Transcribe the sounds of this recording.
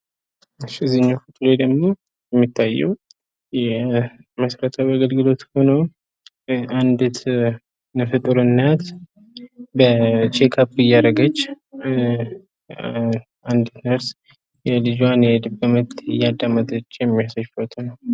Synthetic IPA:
ɨʃɪzɨɲːafut̪ʼled̪əɡmo̞ | jɛmːit̪ʰːajːɛw | jɛ | məsəɾət̪ʰəβaɡəlɡɨlo̞t̪ho̞no | and̪ɨt̪ʰ | nəfɨt̪ʼɨɾɨnːat̪ | bət͡ʃʰekʰapːɪjːaɾəɡət͡ʃː | and̪ɨt̪nəɾs | jɛlɨd͡ʒanjɛd̪ɨbomət̪ɪjːad̪ːamət̪ʼt͡ʃːjɛmːijasəʃfət̪ʰʼunəw

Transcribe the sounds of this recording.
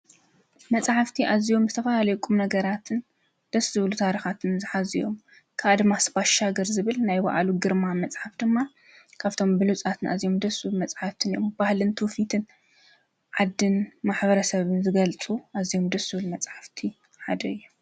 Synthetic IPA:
mɐt͡sʼħaft̪ʰiʔazijo̞mzɨt̪ʰɐfalalɐjkʼumnɐɡɐɾat̪ʰɨn | d̪̥ɐsːɨβlut̪ʰaɾixat̪ʰɨnzɨħazijo̞̰m | kʰaʔad̪ɨmːasɨbaʃaɡɐɾzɨβɨlnajbɐ̰ʔa̰luɡɨɾmamɐt͡sʼħafd̪ɨmːa | kʰaβt̪ʰo̞mbɨlut͡sʼat̪ʰɨna̰zijo̞md̪ɐsɨβlumɐt͡sʼħaft̪ʰɨnijo̰mb̥ahlɨnt̪ʰufit̪ʰɨn | ʕad̪ːɨnmaħbɐɾɐsɐβɨnzɨɡɐlt͡sʼuʔazijo̞md̪ɐsɨβlumɐt͡sʼħaft̪ʰi | ħad̪ɐɨjːu

